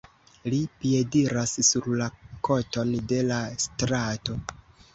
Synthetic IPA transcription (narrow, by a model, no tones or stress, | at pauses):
lipie̞diɾassuɾlako̞to̞nde̞lastɾato̞